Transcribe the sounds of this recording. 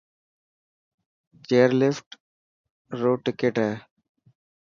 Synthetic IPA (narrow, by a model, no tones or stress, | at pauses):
t͡ʃeːɾlefʈ | ɾoːʈɪkeʈɛ